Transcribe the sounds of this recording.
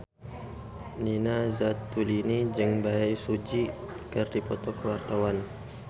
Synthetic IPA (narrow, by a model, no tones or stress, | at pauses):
ninazat̪ːulinid͡ʒɨŋbaɛsud͡ʒi | kɨrdipɔt̪ɔkəwart̪awan